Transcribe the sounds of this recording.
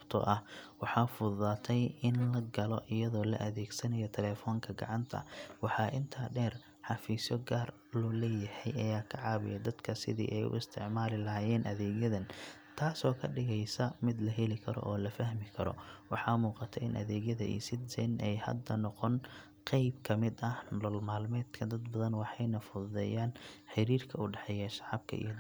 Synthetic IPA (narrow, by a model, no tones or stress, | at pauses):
bt̪ʰɐ̰ʔɐhwɑħɑːfʊðaːt̪ʰɛjɪnlɐɡɐlɔʔɪjɐðɔːlɐ̰ʔɐðɛːɡsɐnɐjɔt̪ʰɛlɛːfɔːŋkʰɐɡɐ̰ʕɑnt̪ʰɐ̰wɑħɑːʔɪnt̪ʰaːɖɛːr | ħɑfiːsjɔɡaːr | lɔlɛːjɐhɛjʔɐjaːkʰɐʕɑːβɪ̰jɛd̪ɐd̪̥kʰɐsɪ̰ðḭːʔɛjʊ̰ɪst̪ʰɪʕmaːlɪlɐɦaːjɛːnʔɐðɛːɣjɐðɐnt̪ʰaːsɔːkʰɐɖɪɣɛjsɐmɪd̪lɐɦɛlɪkʰɐɾɔ̰ʔɔːlɐfɐhmɪkʰɐɾɔ̰wɑ̰ħɑːmuːqɑt̪ʰɛɪnʔɐ̰ðɛːɣjɐðɐʔḭsɪd̪sɛnɛjhɐ̰d̪ɐnɔqɔn | qɛjbkʰɐmɪd̪ɐhnɔlmaːlmɛːd̪kʰɐd̪ɐd̪bɐðɐnwɑħɑjnɐfʊððɛːjaːnħɪɾiːrkʰɐʊɖɛħɛjɛʃɑʕɑb̚kʰɐ̰ḭj